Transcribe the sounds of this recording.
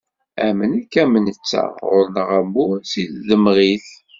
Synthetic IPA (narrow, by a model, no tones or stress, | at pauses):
æmənækːæmənət͡sːa̰ʁʊɾnəʁæmːʊɾsilðəmʁiθ